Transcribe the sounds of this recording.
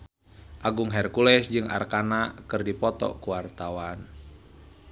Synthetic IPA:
ʔaɡuŋɦɛrkulɛsd͡ʒɨŋa̰rkanakɨrdipɔt̪ɔ̰kuwart̪awan

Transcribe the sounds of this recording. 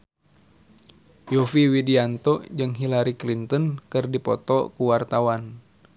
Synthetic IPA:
jɔfiwidiant̪ɔʔd͡ʒɨŋɦilaɾiklint̪ənkɨrdipɔt̪ɔ̰kuwart̪awan

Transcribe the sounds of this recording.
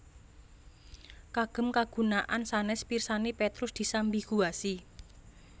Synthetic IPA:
kaɡ̥ə̤mkaɡ̥ṳnaʔansanɛspirsanepet̪ɾʊsd̪̥i̤sambiɡ̥uasi

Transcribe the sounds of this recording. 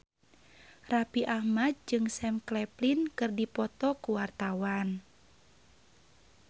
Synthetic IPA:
rapiʔahmad̪̚d͡ʒɨŋsɛmklɛplinkɨrdipɔt̪ɔkuwart̪awan

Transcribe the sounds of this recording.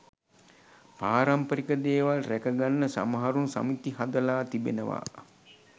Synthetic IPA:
paːɾampəɾikəd̪eːʋalrækəɡanːəsa̰məɦaɾunsa̰mit̪iɦad̪əlaːt̪ibḛnəʋa̰

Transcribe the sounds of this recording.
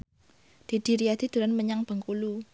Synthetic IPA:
d̪̥i̤d̪̥i̤ɾiad̪̥i̤d̪̥uɾanməɲaŋb̥ə̤ŋkulu

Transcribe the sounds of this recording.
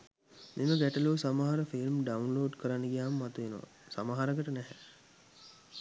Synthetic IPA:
miməɡæʈəluːsamaɦaɾəfilmɖaunloːɖkəɾanːəɡijaːməmat̪uʋenoʋa̰ | samaɦaɾəkəʈənɛɦɛ

